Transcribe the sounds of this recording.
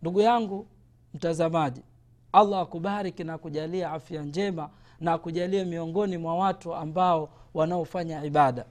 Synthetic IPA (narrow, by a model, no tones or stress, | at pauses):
nduɡujaŋɡu | m̩tazamaʄi | alːaːkuɓaɾikinakuʄaliaafiand͡ʒɛma | nakuʄaliamiɔŋɡɔnimwawatuambaɔwanaɔfaɲaiɓaɗa